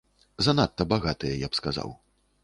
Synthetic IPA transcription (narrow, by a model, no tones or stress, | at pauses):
zanat̪ːɐbaɣat̪ɨjɐjapskaza̰w